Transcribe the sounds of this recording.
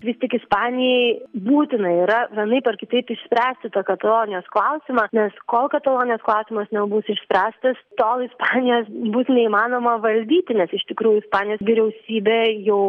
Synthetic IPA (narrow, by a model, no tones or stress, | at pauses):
ʋʲɪst̪ʲiɛkɪspɑːnʲɪjɛɪbuːt̪ʲɪnɐiːɾɐʋʲiɛnɐɪpɐrkʲɪt̪ɐɪpɪʃʲsʲpʲɾʲæːsʲt̪ʲɪt̪ɑkɐt̪ɐlˠoːnʲɪjoːsklˠɐʊsʲɪmɑːnʲɛskoːlˠkɐt̪ɐlˠoːnʲɪjoːsklˠɑʊsʲɪmɐsnʲɛbʊsɪʃʲsʲpʲɾʲæːst̪ɐst̪oːlˠɪspɑːnʲɪjoːsbʊsnʲɛimɑːnoːmɐʋɐlʲd̪ʲiːt̪ʲɪnʲɛsɪʃʲt̪ʲɪkɾuːjʊɪspɑːnʲɪjoːsʋʲiːɾʲɛʊsʲiːbʲeːjɛʊ